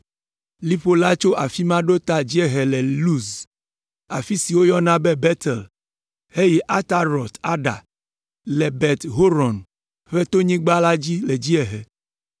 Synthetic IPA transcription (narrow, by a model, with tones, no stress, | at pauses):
li˦ɸo˦la˦t͡ʃo˦ʔa˨fi˦mã˦ɖo˦t̪a˦d͡ʑi˦ɛ˦ɦɛ˨lɛ˨lu˦s | a˨fi˦si˨wo˦jɔ˦nã˦bɛ˦bɛ˦t̪ɛ˨l | he˦jɛ˦ʔa˦t̪a˦ɾɔ˨t̪a˦ɖa̰˨ | lɛ˨bɛ˨t̪ɦo˦ɾɔ̃˨n | ɸe˦t̪o˦ɲĩ˦ɡ͡ba˦la˦d͡ʑi˦le˨d͡ʑi˦ɛ˨ɦɛ˨